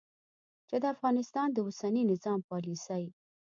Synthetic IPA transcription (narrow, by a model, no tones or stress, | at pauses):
t͡ʃed̪əafɣɑnɪst̪ɑnd̪əwʊsaninɪzɑmpɑlisaj